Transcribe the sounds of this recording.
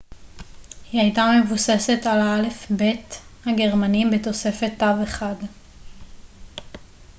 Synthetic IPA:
hiajtame̞vuse̞se̞talale̞fbe̞thaɡe̞ʁmanimbet̪o̞se̞fe̞t̪ːaveχad

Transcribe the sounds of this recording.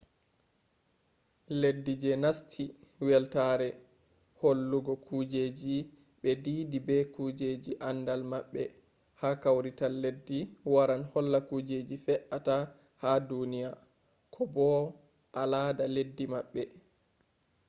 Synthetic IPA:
ledːid͡ʒɛnastʰiwɛltaɾɛ | holːuɡɔkʰud͡ʒed͡ʒi | ɓɛdiːdibɛkud͡ʒed͡ʒiʔandalmaɓːɛ | hakawɾitalːedːiwaɾanhɔlːakud͡ʒed͡ʒifɛʔata | hadunija | kʰɔbɔ | ʔalaːdaledːimaɓːɛ

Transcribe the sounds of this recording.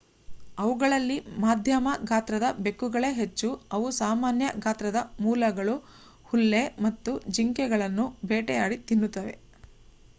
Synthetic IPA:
ɐʋuɡɐɭɐlːimaːd̪ʱjɐmɐɡaːt̪ɾɐd̪ɐbe̞kːuɡɐɭe̞ɦet͡ʃːuɐʋusaːmaːnjɐɡaːt̪ɾɐd̪ɐmuːlɐɡɐɭu | hulːe̞mɐt̪ːud͡ʒiŋkɛɡɐɭɐnːubeːʈɛjaːɽit̪inːut̪ːɐʋe̞̰

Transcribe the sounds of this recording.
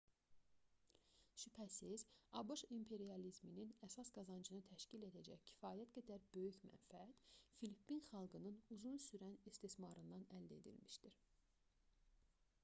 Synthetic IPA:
ʃypʰæsizɑbuʃimpʰe̞ɾiɑlizmininæsɑsɡɑzɑnd͡ʒɯnɯt̪ʰæʃcile̞d̪æd͡ʒæ̰çcʰi̥fɑːjæt̪ɡæd̪æɾb̥ø̞jyçmæ̰nfææt̪filipːinχɑlˠɡɯnɯnuzunsyɾænist̪ismɑɾɯnd̪ɑnæld̪e̞̰d̪ḭlmiʃd̪iɾ

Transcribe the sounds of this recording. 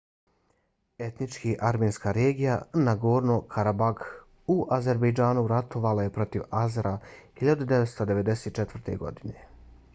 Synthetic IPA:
e̞t̪nit͡ʃkiʔaɾmeːnskaɾe̞ːɡijanaɡoːɾnokʰaɾabaɡ | uʔaze̞ɾbejd͡ʒaːnuɾat̪o̞ʋalaje̞pɾo̞t̪iʋazɾʔahiʎad̪ud̪eʋet̪st̪od̪eʋe̞d̪e̞seːt̪̚t͡ʃet̪ʋrɾt̪e̞̰ɡo̞̰d̪ine̞

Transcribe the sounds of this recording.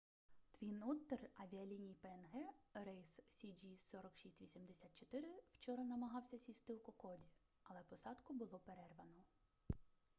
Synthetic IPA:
t̪ʋʲinɔt̪ːerɐʋʲiɐlʲinʲijpeɛnɦɛɾɛjssʲid͡ʒisɔɾɔkʃisʲtʲʋʲisʲimd̪esʲat̪̚t͡ʃɔt̪ɪɾɪwt͡ʃɔɾɐnɐmɐɦɑwsʲɐsʲist̪ɪwkɔkɔdʲi | ɐlˠɛpɔsɑd̪kʊbʊlˠɔpeɾɛrʋɐnɔ

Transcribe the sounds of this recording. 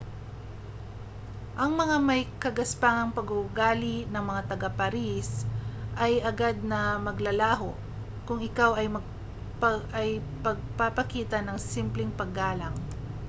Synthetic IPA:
ʔɐŋmɐŋamɐjkɐɡɐspaːŋɐŋpɐɡʊɡaːlinɐŋmɐŋat̪ɐɡapɐɾisʔɐjʔɐɡad̪̚nɐmɐɡlɐlaːɦo | kʊŋɪkawɐjmɐɡ̚ | pʔɐjpɐɡ̚papɐkiːt̪ɐnɐŋsimplɪŋpɐɡːaːlɐŋ

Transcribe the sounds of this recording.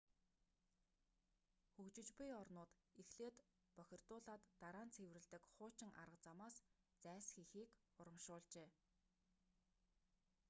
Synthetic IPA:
xɵkt͡ɕɪ̆t͡ɕpujɔrnʊːt̪exɮeːt̪ | pœxʲɪ̆r̥t̪ʊːɮaːt̪ːaɾaːnt͡sʰew̆rɘ̆ɮt̪ɘ̆kχʊːt͡ɕɪ̆ŋʔa̰ɾə̆q̚t͡samaːs | t͡sæːsxixiːk | ʊɾə̆mʃʊːɮt͡ɕeː

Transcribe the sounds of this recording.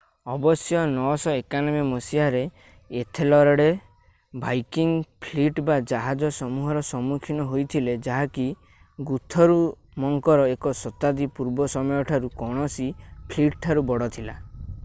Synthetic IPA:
ɔbɔsjɔnɔsɔekanɔbemɔsiaɾeː | t̪ʰelɔɾɔɽe | bajkiŋpʰliʈbad͡ʒaɦad͡ʒɔsɔmuɦɔɾɔsɔmukʰinɔɦojt̪ʰiled͡ʒaɦaki | ɡut̪ʰɔɾu | mɔŋkɔɾɔekɔsɔt̪ad̪ipuɾbɔsɔmɔjɔʈʰaɾukɔɽ̃ɔsipʰliʈʈʰaɾubɔɽɔt̪ʰila

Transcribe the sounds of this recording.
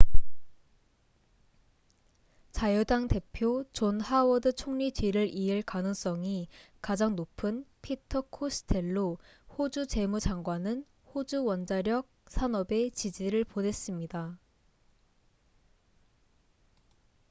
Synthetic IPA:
t͡ɕajʌdaŋte̞pʰjot͡ɕonhawʌdɯt͡ɕʰoŋɲit͡ɕɥiɾɯɾʔiɯɭkanɯŋs͈ʌŋikad͡ʑaŋnopʰɯnpʰitʰʌkʰosʰɯ̥tʰe̞ɭːo | hod͡ʑut͡ɕe̞mud͡ʑaŋɡwanɯn | hod͡ʑuwʌnd͡ʑaɾjʌk̚sʰanʌbe̞t͡ɕid͡ʑiɾɯɭponɦe̞s͈ɯmɲida

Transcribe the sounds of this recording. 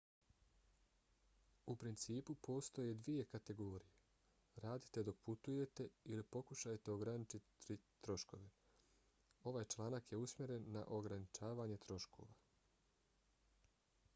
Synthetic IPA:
upɾint̪siːpupʰo̞ːst̪o̞je̞d̪ʋije̞kat̪e̞ɡo̞ːɾije̞ | ɾaːd̪i̥t̪e̞d̪o̞k̚put̪uje̞t̪e̞ilipo̞kuʃajt̪e̞oɡɾanit͡ʃit̪it̪ɾo̞ʃko̞ʋe | o̞ʋaːjt͡ʃlˠaːnakje̞usmʲje̞ɾe̞nːa̰ʔo̞ɡɾanit͡ʃaːʋaːɲe̞t̪ɾo̞ʃkʰo̞̰ʋa

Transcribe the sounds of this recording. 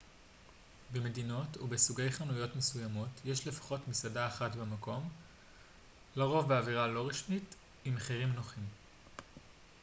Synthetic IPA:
beme̞dino̞tubesuɡe̞jχanujo̞tmesujamo̞tjeʃle̞fḁχo̞tmisadaːχatbemako̞m | laʁo̞vbeaviʁalo̞ʁiʃmit | imaχeʁimnoχim

